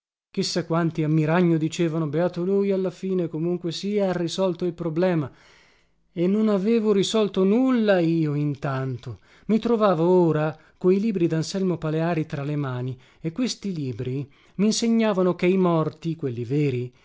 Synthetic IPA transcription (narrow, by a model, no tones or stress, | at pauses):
k̟isːakːwant̪iamːiɾaɲːod̪it͡ʃeːvanobeaːt̪olujalːafiːnekomuŋkwesiaarːisɔlt̪oilpɾoblɛːma | enːonaveːvoɾisɔlt̪onulːaiːoint̪ant̪o | mit̪ɾovaːvooːɾa | koiliːbɾid̪ansɛlmopaleaːɾit̪ɾalemaːni | ekːwest̪iliːbɾi | miːnseɲːaːvanokeimɔrt̪ikwelːiveːɾi